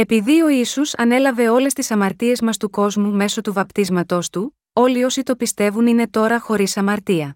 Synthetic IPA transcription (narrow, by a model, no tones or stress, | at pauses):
e̞piðio̞isusɐ̰ne̞lɐve̞o̞le̞st̪isɐmɐɾt̪ie̞zmɐst̪uko̞zmume̞so̞t̪uvɐpt̪izmɐt̪o̞st̪u | o̞lio̞sit̪o̞pist̪e̞vunine̞t̪o̞ɾɐxo̞ɾisɐmɐɾt̪iɐ